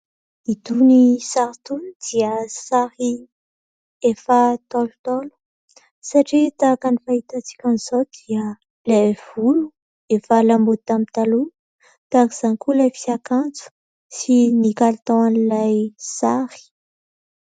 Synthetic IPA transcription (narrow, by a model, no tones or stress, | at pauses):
it̪unisaɾit̪und̪̥iəsaɾi | efat̪ɔlu̥t̪ɔlu̥ | saʈ͡ʂit̪akanifaɦit̪at͡si̥kʲaniz̥od̪̥iə | levulu | efalambut̪amint̪alu | t̪akiz̥ankulafi̥sakant͡su̥ | sinikalit̪aanilajsaɾi̥